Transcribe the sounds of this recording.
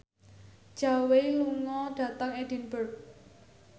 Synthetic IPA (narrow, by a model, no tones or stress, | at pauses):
d̥ʒ̥a̤weluŋɔɖ̥ä̤t̪əŋed̥inbərk̚